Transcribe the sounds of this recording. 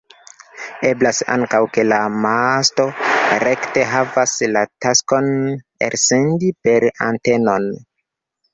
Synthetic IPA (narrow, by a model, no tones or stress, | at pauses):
e̞blasa̰ŋkawke̞lamasto̞ɾe̞kte̞ɦavaslatasko̞n | ḛɾse̞ndipe̞ɾa̰nte̞no̞n